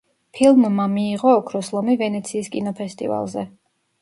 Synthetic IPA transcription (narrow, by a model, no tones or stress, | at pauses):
pʰilˠmːamiːʁɔːkʰɾɔslˠɔmivɛnɛt̪sʰiːskʼḭnɔpʰɛst̪ʼḭva̰lˠzɛ